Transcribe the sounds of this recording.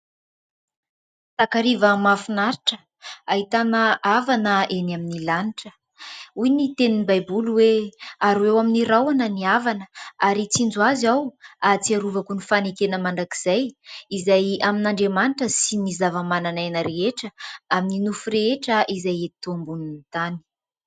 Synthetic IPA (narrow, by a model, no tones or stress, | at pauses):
t̪akaɾivəmafunaɾiʈ͡ʂə̥ | aɦit̪anəʔavanəenaminilaniʈ͡ʂə̥ | ujnit̪eninibajbuluweaɾuwewaminiɾawanəniavanəaɾit͡sind͡zuazawat͡siaɾuvakunifanekenəmaɳdaki̥z̥ajizajaminaɳɖ͡ʐemaniʈ͡ʂəsinizavəmananajnəɾeeʈ͡ʂəamininufuɾeeʈ͡ʂəʔizajet̪ombuninit̪ani̥